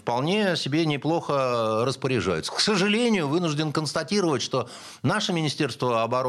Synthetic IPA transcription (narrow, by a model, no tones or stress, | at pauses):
fpɐlˠnʲesʲɪbʲenʲɪplˠo̞xəɾəspəɾʲɪʐa̰jʊ̰t̪sə̥ksəʐɨlʲenʲɪjʊvɨnʊʐdʲɪnkənst̪ɐtʲiɾəvətʲʂt̪o̞ | naʂɨmʲɪnʲɪsʲtʲe̞rst̪vəɐbɐɾo